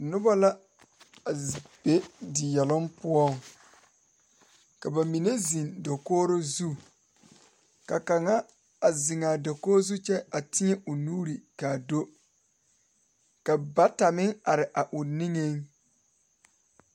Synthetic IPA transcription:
nʊ˦ba˦la˦ | a˨b̥e˦dɪ˨jɛ˨lʊ˦mpʊ˦ɔ˦˨ŋ | ka˨ba˨mi˨ne˦zi˨ndo˨koː˦ɾo˦zu˦˨ | ka˨ka˨ŋa˦ | a˨zɪ˨ŋaː˨do˨koː˦zu˦t͡ʃɛ˦a˨tɪ˦ɛ˦ʔʊ˨nuː˦ɾi˨ka˨do˦ | ka˨ba˦ta˨mɪ˦ŋa˨ɾɪ˨ʔa˨ʔʊ˨ni˦ŋe˦ŋ

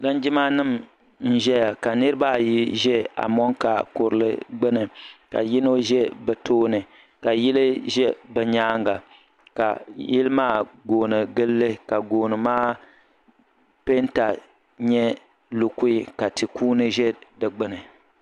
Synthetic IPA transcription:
la˦nd͡ʒɪ˦ma˦nɨ˦˨m | n̩˦ʒɛ˦ja˨ka˨nɨ˦ɾɨ˦ba˦˨ji˦ʒɛ˦a̰˨mɔ˦ŋka˨kʊ˨ɾɨ˨lɨ̰˦ɡ͡bɨ˦nɨ˨ka̰˨jɪ˦no˦ʒɛ˦bɛ˨tʰoː˦nɨ˨ | ka˨ji˦lɨ˦ʒɛ˦bɛ˨ɲaː˦ŋɡa˨ | ka̰˨jɪ˦lɨ˦maː˦ɡoː˨nɨ˨ɡɨ˦lːɨ˦ka˨ɡoː˨nɨ˨maː˦ | pe˦nta˨ | ɲɛ˦ | lʊ˨ku˦i˦˨ka˨tɨ˨kuː˦nɨ˦ʒɛ˦dɨ˨ɡ͡bɨ˦nɨ˨

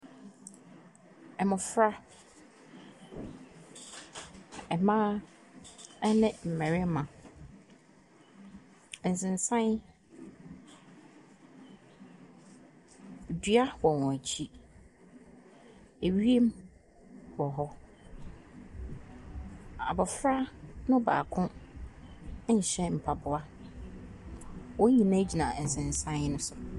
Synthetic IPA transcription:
ɛ˨mʊ̃˨fɾa˦ | ɛ˨mã˦ | nɪ̃˦m̩˨mɛ̃˨ɾɪ˦mã˨ | n̩˨sɪ̃˨n̩˨sã˦n˦˨ | dɥa˦wɔ˨wɔ̃˨æ˨t͡ɕʰi˦ | e˨ɥi˦e˦m | wɔ˨ɦɔ˦ | a̰˨bɔ˨fɾa˦nʊ̃˦ba̰ː˨kʰʊ̃˦˨ | ɕɛ˦m̩˨pʰa˨bʊ˨a˦ | wɔ̃˦ɲĩ˨nã˦d͡ʑi˨nã˨n̩˨sɪ̃˨n˨sã˦nʊ̃˦sʊ˨

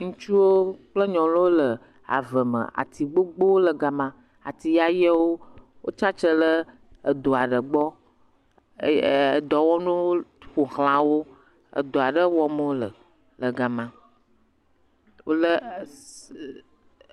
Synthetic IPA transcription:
ŋũ˦t͡ʃu˦wo˦k͡plə˦ɲɔ̃˨lwo˦lə˨ | a̰˨və˨mə̰̃˨a̰˨t̪i˨ɡ͡bo˦ɡ͡bo˦wo˦lə˨ɡa˨mã˦˨ | a̰˨t̪i˨ja˦jɛ˦wo˦ | wo˦t͡ʃa˦t͡ʃə˦lə˦ | ə˨d̪o˨a˨ɖə˨ɡ͡bɔ˦˨ | d̪ɔ˨wɔ˦nũ˦ɸo˨hl̃ã˨wo˦ | ə̰˨d̪o˨a˨ɖə˦wɔ˦mo˦lə̰˨ | lə˨ɡa˨mã˨ | wo˦lə˦

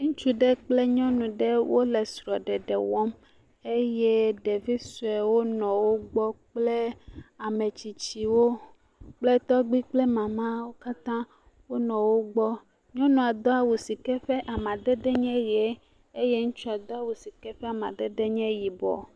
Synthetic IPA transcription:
ŋũ˦t͡ʃu˦ɖɛ˦k͡ple˦ɲɔ̃˦nũ˨ɖɛ˦wʔo˦lɛ˨sɾɔ˨ɖɛ˨ɖɛ˨wɔ˦m | e˦je˦ɖe˨vi˦su˨ɛ˨wo˦nɔ̃˨wo˦ɡ͡bɔ˦k͡ple˦a˨mẽ˨t͡ɕi˨t͡ɕi˨wo˦ | k͡ple˦t̪ɔ˦ɡ͡bi˦k͡ple˦mã˨mã˦wo˦ka˦t̪ã˦ | wo˦nɔ̃˨wo˦ɡ͡bɔ˦ | ɲɔ̃˦nũ˨a˨d̪ɔ˦a˨wu˨si˨kɛ˦ɸɛ˦ʔa˨mã˨d̪ɛ˦ɖ̪ɛ˦ɲɛ̃˦ɾi˨e˦ | e˦je˦ŋũ˦t͡ʃu˦a˨d̪ɔ˦a˨wu˨si˨kɛ˦ɸɛ˦a˨mã̰˨d̪ɛ˦ɖɛ˦ɲɛ̃˦ji˨bɔ̰˨

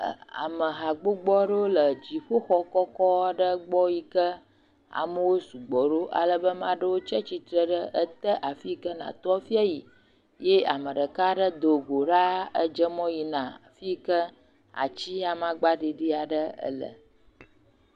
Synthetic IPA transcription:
a̰˨mə˨ɦa˨ɡ͡bo˦ɡ͡bɔ˦ɖə˦wo˦lə˨d͡ʑi˨ɸo˦xɔ˦kɔ˦kɔ˦a˦ɖə˦ɡ͡bɔ˦ji˦kə˦ | a̰˨mə˦wo˦su˨ɡ͡bɔ˨ɖo˦ʔa̰˨lə˦bə˦mã˦ɖə˦wo˦t͡ʃɛ˦t͡ɕi˦t̪ɾə˦ɖə˦ʔə˦t̪ə˦ʔa˨fi˦kə˦nã̰˨t̪ɔ˦fi˦a˦ji˨ | je˦a̰˨mə˨ɖə˨ka˦ɖə˦d̪o˨ɡo˨ɖa˦ə̰˦d͡ʒə˦mɔ̃˦ji˨nã˨fi˦kə˦ | a̰˨t͡ɕi˦a˨mã˦ɡ͡ba˦ɖi˨ɖi˦a˨ɖə˦ə̰˦lə̰˨

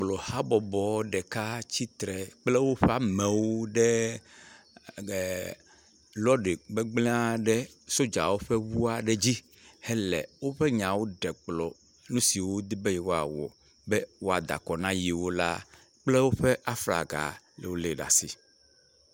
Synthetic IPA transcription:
k͡plɔ˨ha˦bɔ˨bɔ˨˦ɖɛ˨ka˦t͡ɕi˦t̪ɾɛ˨k͡ple˦wo˦ɸɛ˦a˦mɛ̃˨wo˦ɖɛ˦˨ | lɔ˦ɖe˨ɡ͡be˦ɡ͡blɛ̃˦a˦ɖɛ˦ | so˦d͡ʒa̰˨wo˦ɸɛ˦wu˦a˦ɖe˨d͡ʑi˦ | hɛ˦lɛ̰˨wo˦ɸɛ˦ɲã˨wo˦ɖɛ˨k͡plɔ˨ | nũ˦si˨wo˦d̪i˦be˦jɛ˨wo˦a̰˨wɔ̰˨ | bɛ˦wo˦a˨d̪a̰˨kɔ˨nã˦ji˨wo˦la̰˦ | k͡ple˦wo˦ɸɛ˦ʔa˦fla̰˨ɡa̰˨ | le˨wo˦le˨ɖa̰˨sḭ˨

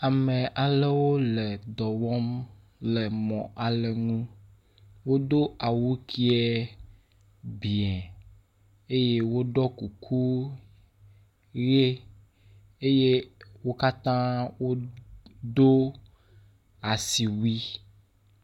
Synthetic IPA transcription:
a˨mẽ˨ʔa˨le˦wo˦le˨d̪ɔ˨wɔ˦m | le˨mɔ̰̃˨ʔa˨le˨ŋũ˦ | wo˦d̪o˦a˨wu˦kʰi˦ɛ˦ | bi˨ɛ˨ | e˦je˦wo˦ɖɔ˦ku˨kʰu˦ | ɣe˦ | e˦je˦wo˦ka˦t̪ã˦wo˦ | d̪o˦ | a˨si˨wi˦

